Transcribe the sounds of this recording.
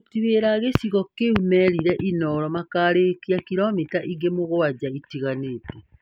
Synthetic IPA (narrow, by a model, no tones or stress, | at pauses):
tiweɾaɣesiɣɔkeumɛɾiɾɛʔinɔɾɔmakaɾekiakiɾɔmitaʔiɡemoɣoad͡ʑaitiɣaneːtɛ